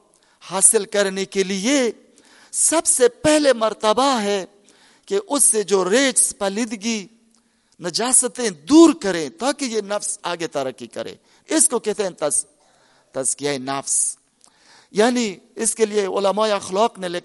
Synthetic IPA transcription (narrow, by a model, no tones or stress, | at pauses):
haːsɪlkɐɾnekelie | sɐbsepɛɦlemɐɾt̪əbaɦɛ | keʔʊsːed͡ʒoːɾeːd͡ʒspɐːlɪd̪ɡi | nɐd͡ʒaːsət̪ẽd̪uːɾkɐɾẽt̪aːkejenɐfsaːɡet̪ɐɾəkːikɐ̰ɾʔḛ̃ | ɪskokɛɦt̪ẽnt̪ɐ | t̪ɐzkijaːenɐfs | jaːniɪskelijeʊlɐmaːjɐxlɔːqnele